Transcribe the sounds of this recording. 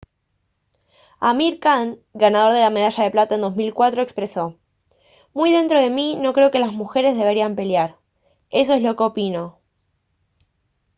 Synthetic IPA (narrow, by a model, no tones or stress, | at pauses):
amiɾkaŋɡanaðo̞ɾðe̞lame̞ð̞aʃaðe̞plat̪aend̪o̞zmilkwat̪ɾo̞ekspɾe̞so̞ | mujðe̞nt̪ɾo̞ð̞e̞mino̞kɾe̞o̞ke̞lazmuxe̞ɾe̞zðe̞β̞e̞ɾiampe̞ljaɾ | e̞s̬oe̞zlo̞keo̞pino̞